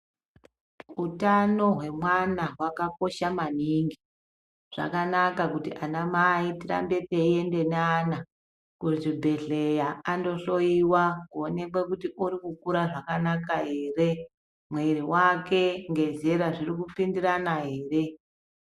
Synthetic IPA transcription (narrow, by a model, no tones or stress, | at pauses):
utano̞ɦwe̞mwanaɦwakako̞ʃamaniŋɡi | ʐ̥a̰kanakakutiʔanamaitira̰mbe̞teie̞nde̞neaːna | kuiʐibʱe̞ɮe̞jaːndo̞so̞iwakuone̞kwekutiʔuɾikukuɾaʐakanakaɦe̞ːre̞ | mwe̞ɾiwake̞ŋɡe̞zeɾaʐirikupindiɾanaɦe̞ːre̞